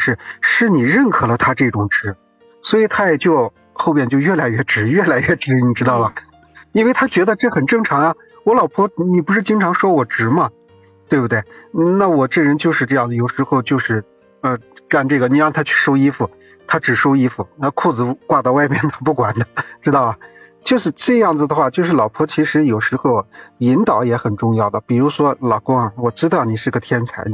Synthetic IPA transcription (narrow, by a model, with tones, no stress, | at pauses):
ʂɻ̩˥˩ʂɻ̩˥˩ni˨˩ɻə˥˩nkʰɤ˨˩lə˧˦t̪ʰa˥ʈ͡ʂɤ˥˩ʈ͡ʂʊ˨˩ŋʈ͡ʂɻ̩˧˥ | swɔ˧˥i˨˩t̪ʰa˥jɛ˨˩t͡ɕjo˥˧ʊ | xo˥˧ʊpjɛ˥˧nt͡ɕjo˥˧ʊɥɛ˥˩la˧˥ɪɥɛ˥˩ʈ͡ʂɻ̩˨˧˥ɥɛ˥˩la˧˥ɪɥɛ˥˩ʈ͡ʂɻ̩˧˥ni˨˩ʈ͡ʂɻ̩˥t̪ɑ˥˩ʊlə˩ | i˥nwɪt̪ʰa˥t͡ɕɥɛ˧˥d̪ə˧ʈ͡ʂɤ˥˩xə˨˩nʈ͡ʂɤ˥˩ŋʈ͡ʂʰɑ˧˥ŋɐ˧ | wɔ˧˥lɑ˨˩ʊpʰwɔ˥ni˨˩p̬u˧˥ʂɻ̩˥˩t͡ɕi˥ŋʈ͡ʂʰɑ˧˥ŋʂwɔ˥wɔ˨˩ʈ͡ʂɻ̩˨˧˥mɐ˧ | t̪we˥˧bu˩t̪we˥˩ɪ˥˧na˥˩wɔ˨˩ʈ͡ʂɤ˥˩ɻə˧˥nt͡ɕjo˥˧ʊʂɻ̩˥˧ʈ͡ʂɤ˥˧jɑ˥˩ŋd͡zə˩jo˨˩ʊʂɻ̩˧˥xo˧ʊt͡ɕjo˥˧ʊʂɻ̩˥˩ | ə˧ka˥˧nʈ͡ʂɤ˥˩ɡə˩ni˨˩ɻɑ˥˧ŋt̪ʰa˥t͡ɕʰy̥˥˧ʂo˥ʊi˥fu˩ | t̪ʰa˥ʈ͡ʂɻ̩˨˩ʂo˥ʊi˥fu˨˩ə˧kʰu˥˩d͡zɹ̩˧˩kwa˥˧t̪ɑ˥˧ʊwa˥˧ɪpjɛ˥nt̪ə˧p̬u˥˩kwa˨˩nd̪ə˦ʈ͡ʂɻ̩˥t̪ɑ˥˩ʊɐ˩ | t͡ɕjo˥˧ʊʂɻ̩˥˧ʈ͡ʂɤ˥˧jɑ˥˩ŋd͡zɹ̩˩d̪ə˩xwa˥˧t͡ɕjo˥˧ʊʂɻ̩˥˩lɑ˨˩ʊpʰwɔ˥t͡ɕʰi˧˥ʂɻ̩˧˥jo˨˩ʊʂɻ̩˧˥xo˥˧ʊi˧˥nt̪ɑ˨˩˦ʊjɛ˧˥xə˨˩nʈ͡ʂʊ˥˧ŋjɑ˥˩ʊd̪ə˩pi˨˩ɻu˧˥ʂwɔ˥lɑ˨˩ʊkʊ˥ŋ˩wɔ˨˩ʈ͡ʂɻ̩˥t̪ɑ˥˩ʊni˨˩ʂɻ̩˥˩˧ɡə˩t̪ʰjɛ˥nt͡sʰa˧˥ɪ